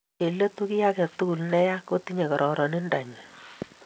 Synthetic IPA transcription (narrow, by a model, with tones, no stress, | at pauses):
e˨lə˦tu˦ki˦ja˦kɛ˨tu˦ku˨lnɛ˦ja˦ko˦ti˦ɲe˨kɔ˨ɾʔɔ˨ɾɔ˨ni˦nda˨ɲ˨